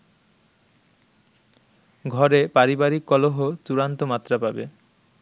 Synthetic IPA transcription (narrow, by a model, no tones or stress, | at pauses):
ɡʱɔɾepaɾibaɾikːɔloɦot͡ɕuɾant̪omat̪ːɾapabe